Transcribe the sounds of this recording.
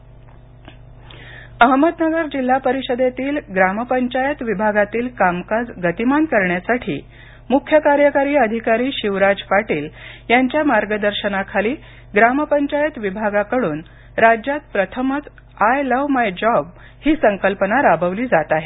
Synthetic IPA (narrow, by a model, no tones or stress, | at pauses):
əɦməd̪nəɡəɾd͡ʑil̤ːapəɾiɕəd̪et̪iːlɡɾaməpəɲt͡ɕajət̪ʋibʱaɡat̪iːlkamkad͡zɡət̪imankəɾɳjasaʈʰḭː | mukʰjəkaɾjəkaɾiːəd̪ʱikaɾiːɕiʋɾad͡zpaʈiːljaɲt͡ɕjamaɾɡəd̪əɾɕənakʰaliː | ɡɾaməpəɲt͡ɕajət̪ʋibʱaɡakəɽuːn | ɾad͡ʑjat̪̚pɾət̪ʰəmət͡s | ajləʋmajd͡ʑɔb | hiːsəŋkəlpənaɾabʱəʋliːd͡zat̪aɦe